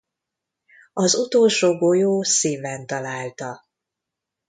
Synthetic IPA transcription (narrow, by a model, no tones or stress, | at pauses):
ɒzut̪oːlʃoːbojoːsiːvɛnt̪ɒlaːlt̪ɒ